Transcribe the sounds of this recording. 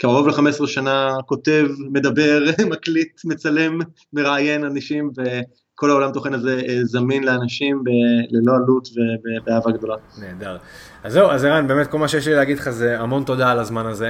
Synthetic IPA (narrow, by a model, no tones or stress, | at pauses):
kiaʁovleχamesʁeʃanako̞t̪e̞vme̞d̪abe̞ʁmaklit̪met͡sale̞mː | e̞ʁaːje̞nanaʃimve̞ | kʰo̞lao̞lamt̪oχe̞nazezaminleanaʃimbelelo̞alut̪ve̞bebeaːvaɡd̪o̞laneːd̪aʁ | azːe̞wazeʁanbeːmet̪̚ko̞lmaʃejeʃlileaɡid̪lχazeamo̞nt̪o̞d̪alazmanaze